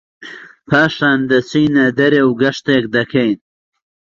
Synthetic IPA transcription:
pʰaːʂaːnd̪ɐt͡siːnad̪ɐɾewɡɐʂt̪ek̚d̪ɐkʰejn

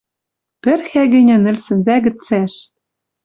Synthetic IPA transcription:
pɘ̆rxæɣɘ̆nʲɘ̆nɘ̆lsɘ̆nzæɡɘ̆t͡sæʃ

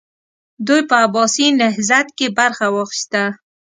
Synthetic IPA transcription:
d̪ujpəabɑsinɪɦzat̪kebaɾxawəxi̥ʃt̪a

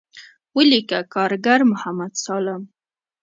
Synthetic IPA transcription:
wəlikakɑɾɡaɾmʊhamad̪sɑləm

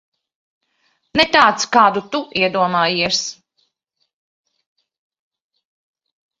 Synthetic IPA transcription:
nɛt̪aːt̪skaːd̪ut̪uiɛd̪uɔmaːjiɛs

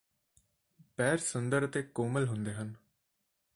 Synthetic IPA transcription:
pɛːɾsənd̪əɾət̪ekoːməlɦʊnd̪eːɦən

